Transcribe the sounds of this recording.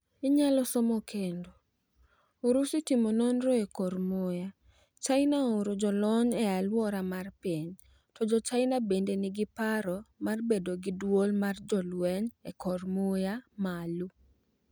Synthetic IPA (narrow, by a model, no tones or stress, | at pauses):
iɲalɔsɔmɔkʰendo | oɾusitimononɾoekɔrmoja | t͡ʃaɪnaoɾod͡ʒɔlɔɲɛalwɔɾamarpiɲ | tɔd͡ʒɔt͡ʃaɪnabendenɪɡɪpaɾɔmarbedoɡɪdwolmard͡ʒɔlwɛɲɛkɔrmojamalu